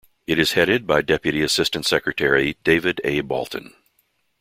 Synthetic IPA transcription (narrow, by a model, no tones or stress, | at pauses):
ɨɾɨz̥hɛɾɨd̚baɪdɛpjɨɾiɨsɪstɨ̃ntsɛkɹɨtʰɛɹid̥eɪvɨɾḛɪbɔ̰lˠtn̩